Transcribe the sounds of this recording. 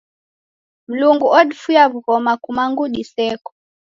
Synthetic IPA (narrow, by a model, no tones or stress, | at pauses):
m̩luŋɡuʔɔɗifujaβuɣɔmakumaŋɡuɗisɛkɔ̥